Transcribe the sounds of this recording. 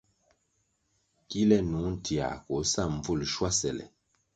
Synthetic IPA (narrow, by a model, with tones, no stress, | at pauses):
ki˦lɛ˦nu˨˦ŋn̩˦ti˨a̰˨ko˨˦sa˦˨m˨b͡vu˦˨lʃwa˦sɛ˨lɛ̰˨